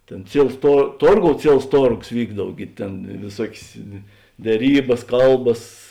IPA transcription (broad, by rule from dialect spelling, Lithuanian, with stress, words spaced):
ˈtʲeːn ˈt͡sʲiɛlˠs toː ˈtoːrˌɡoːʊ ˈt͡sʲiɛlˠs ˈtoːrɡoːs ˈʋʲiːɡdɐw ˈɡʲɪ tʲeːn ʋʲeːˈsuɔkʲeːs dʲɛˈrʲiːbɐs ˈkɐlˠbɐs